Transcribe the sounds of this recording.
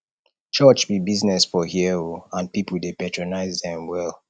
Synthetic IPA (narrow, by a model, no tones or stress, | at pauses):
t͡ʃɜt͡ʃbibiznɛsfɔhiɛoãnpipul̩depɛtʰɹonaɪzðɛ̃mwɛl